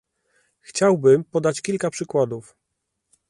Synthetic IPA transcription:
xt͡ɕawbɘmpɔd̪at͡ɕkʲilkapʂɘkwad̪uf

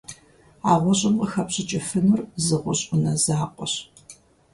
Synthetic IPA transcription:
aːʁʷɔɕʼɪmqəxɐpɕɪt͡ʃʼɪfɨnʊrzɨʁʷʊɕʼʊnɐzaːqʷʼɔɕ

